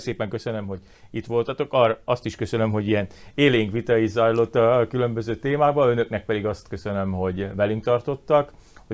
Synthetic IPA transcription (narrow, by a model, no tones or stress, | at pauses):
seːpɛŋkø̞sønømɦo̞ɟ | it̪ʋo̞lt̪ɒt̪o̞kɒːrɒst̪iʃkø̞sønømɦo̞ɟijɛneːlejiŋkʋit̪ɒjizɒjlo̞t̪ːɒkylø̞mbø̞zøːt̪eːmaːɡ̚bɒø̞nø̞knɛk̚pɛd̪iɡɒst̪kø̞sønømɦo̞ɟʋɛlyŋkt̪ɒrt̪o̞t̪ːɒkho